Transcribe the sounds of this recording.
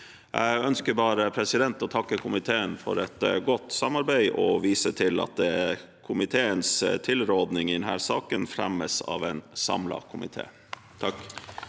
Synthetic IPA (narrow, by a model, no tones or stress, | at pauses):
ʔæɪɡœnskəɾbɑːɾəpʰɾɛsɪd̪ɛnt̪ɔt̪ʰɑkːəkʰʊmɪt̪ʰeːənfɔ̰ɾɛt̪ɡɔt̪ːsɑmɑɾbæɪʔɔ̰ʋiːsət̪ʰɪlɑ̰t̪̚d̪ɛ | kʰʊmɪt̪ʰeːənst̪ʰɪlɾoːd̪nɪŋɪd̪ɛnhæːɾsɑːkənfɾæ̰məsɑ̰ːʋæɪnsɑ̰mlɑ̰kʰʊmɪ̰t̪ʰḛː | t̪ʰɑk